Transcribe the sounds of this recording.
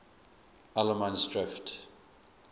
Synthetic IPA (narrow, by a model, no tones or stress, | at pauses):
aləmãnsdɹɪft